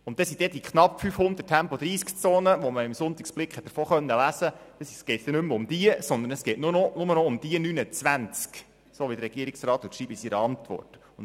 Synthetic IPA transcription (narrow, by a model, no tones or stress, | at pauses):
ʊnt̪̚ːɛsid̥̪ɛd̥̪ikʰχnɑpfyfhʊnd̪ətʰæmpɔd̪ɾiːskt͡soːnəʋɔməɪmsʊnt̪ɪksb̥lɪkχɛt̪̚d̥əɾfoːχœnːəlæsəd̥ɛsisɡ̥ɛɪt̪sd̥̪ɛnʏmːʊmd̪̥iəsɔnd̪ənəsɡ̥ɛɪtnʊnɔnʊmənɔʊmd̥̪iənynət͡sʋænt͡sk | soːʋid̪əɾɛɡ̥iəɪksrɑːt̪lutʃriːbɪsiɾəɑnt̪ʋɔ̰rt | ʊn